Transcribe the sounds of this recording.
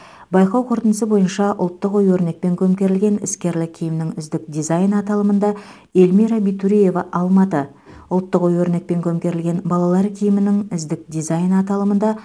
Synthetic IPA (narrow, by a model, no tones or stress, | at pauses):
bɑjqɑwqʰʊɾt̪ənəsəbo̞jənʃɑʔʊ̰lˠt̪ːəqojwɵɾne̞k̚pe̞ŋkʲʰɵmkʲe̞ɾɪlɡʲe̞nɪ̰skʲe̞ɾlɪkʲʰijɪmɪnɪŋɪzd̪ɪk̚d̪ijzɑjnɑt̪ɑlˠəmənd̪ɑ | e̞lmiɾɑbit̪uɾije̞vɑʔɑlˠmɑt̪ə | ʊlˠt̪ːəqojwɵɾne̞k̚pe̞ŋkʲʰɵmkʲe̞ɾɪlɡʲe̞nbɑlˠɑlˠɑɾkʲʰijɪmɪnɪŋɪzd̪ɪk̚d̪izɑjnɑt̪ɑlˠəmənd̪ɑ